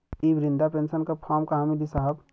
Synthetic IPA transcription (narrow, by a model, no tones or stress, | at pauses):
ibɾɪnd̪apensənkapʰaːmkaɦamilisaɦəb